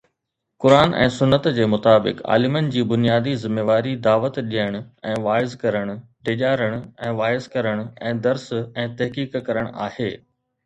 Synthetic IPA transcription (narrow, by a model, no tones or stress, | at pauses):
kʊɾaːnʔɛ̰̃ːsʊnːət̪d͡ʑeːmʊt̪aːbɪ̰ka̰ːlɪmənɪ̆d͡ʑiːbʊnijaːd̪izɪmeʋaːɾid̪aːʋət̪ɗijəɽ̃ʊ̆ɛ̃ːʋaːɪzkɐɾəɽ̃ʊ̆ʈɪʄaːɾəɽ̃ʊɛ̃ːʋaːɪzkɐɾəɽ̃ʊɛ̃ːd̪ɐɾsɛ̃ːt̪ɐɦkiːkkɐɾəɽ̃a̰ːheː